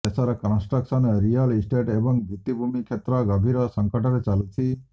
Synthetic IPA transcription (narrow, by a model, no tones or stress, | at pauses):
esaɾɔkɔnsʈɾɔksɔnɾijalisʈeʈebɔŋɡit̪ibʱumikʰet̪ɾɔɡɔbʱiɾɔsɔŋkɔʈɔɾet͡salut͡ʃʰi